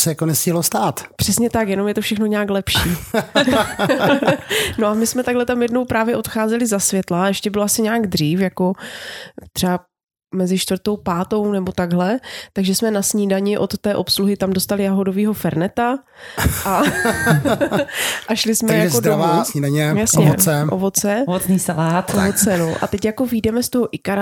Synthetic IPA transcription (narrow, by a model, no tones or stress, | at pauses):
sɛjakonɛscilost̪aːt̪pr̥ɛsɲɛt̪akjɛno̞mjɛt̪ofʃɛxno̞ɲaːklɛpʃiː | no̞ʔamɪsmɛt̪aɡɦlɛt̪amjɛdnowpɾaːvjɛʔo̞t̪xaːzɛlɪzasvjɛt̪laɛʃcɛbɪloasɪɲaːɡd̪r̝iːfjako̞ | t̪r̝̥ɛa | mɛzɪʃt̪vɾt̪owpaːt̪o̞wnɛbo̞t̪aɡɦlɛt̪aɡʒɛsmɛnasɲiːdaɲɪʔo̞t̪ːɛːʔo̞psluɦɪt̪amdost̪alɪjaɦodoviːɦo̞fɛɾnɛt̪a | a | ʔaʃlɪsmɛjaod̪ɾavaːsɲiːdaɲɛjasɲɛt͡sɛʔovo̞t͡sɛt͡sɲiːsalaːt̪ovot͡sɛnoʔa̰t̪ɛcjako̞vidɛmɛst̪oɦoʔɪkaɾa